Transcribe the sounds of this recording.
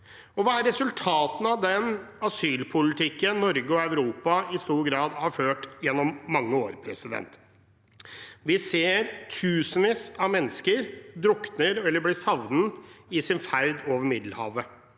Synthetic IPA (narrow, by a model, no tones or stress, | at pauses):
ɔʋɑːæɾːɛsʉlt̪ʰɑːt̪n̩ɑʋd̪ɛnɑsyːlpʰʊlɪt̪ʰɪkːənːɔɾɡəɔɑʉɾuːpɑɪst̪uːɾɡɾɑːd̪hɑɾføːʈjɛnːɔmːɑŋːəoːɾpʰɾɛsɪd̪ɛ̰nt̪ | ʋɪseːɾt̪ʰʉːsənʋiːsɑʋmɛnːəskəɾd̪ɾʊknəɾɛlːəblɪsɑʋnəɪsɪnfæɾd̪oːʋəɾmɪd̪l̩hɑ̰ːʋə